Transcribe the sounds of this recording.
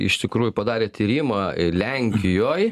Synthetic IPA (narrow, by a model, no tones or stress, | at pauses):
ɪ̰ʃt̪ʲɪkɾuːjʊpɐd̪ɑːɾʲeːt̪ʲiɾʲiːmɑlʲɛŋʲkʲɪjoːj